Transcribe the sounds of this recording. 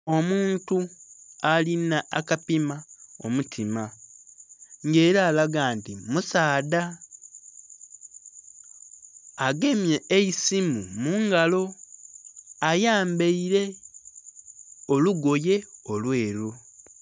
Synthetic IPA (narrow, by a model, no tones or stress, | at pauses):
o̞muːntualinaʔakapimao̰mutʰima | ŋɡeːɾaːlaɡaːntimusaːda | ɡe̞mjeeisimumuːŋɡalo̞ | ajaːmbeiɾe̞ | oluɡo̞je̞o̞lweːɾo